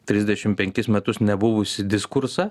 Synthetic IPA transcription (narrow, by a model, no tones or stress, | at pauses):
t̪ʲɾʲɪzʲd̪ʲɛʃʲɪmpʲɛŋʲkʲɪsmʲɛt̪ʊsnʲɛbʊʋʊsʲɪd̪ʲɪskʊɾsɐ